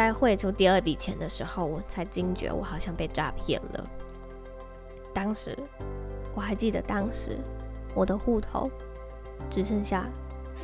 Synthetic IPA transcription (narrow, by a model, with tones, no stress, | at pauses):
a˥˧ɪxwe˥˧ɪt͡ɕʰjo˧˥ʊt̪i˥˧ə˞˥˩t̪i˨˩t͡ɕʰjɛ˧˥nd̪ə˧ʂɻ̩˧˥xo˥˧ʊwɔ˨˩t͡sʰa˧˥˩ɪt͡ɕi˥ŋt͡ɕɥɛ̰˧˥wɔ̰˧˩xɑ˨˩ʊɕjɑ˥˧ŋpe˥˩ɪʈ͡ʂa˥pʰjɛ̰˥˩lə̰˩ | t̪ɑ˥ŋʂɻ̩˧˥wɔ˨˩xa˧˥ɪt͡ɕi˥˩d̪ə̰˨˩t̪ɑ˥ŋʂɻ̩˧˥wɔ˨˩d̪ə˦xu˥˩t̪ʰo̰˧˥ʊ | ʈ͡ʂɻ̩˧˥ʂə˥˧ŋɕja̰˥˩